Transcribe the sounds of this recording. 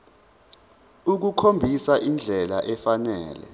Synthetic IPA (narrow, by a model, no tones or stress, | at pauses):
uk̬ukʰombʱisaʔind͡ɮʱɛla̰ʔɛfanɛ̰ːlɛ̰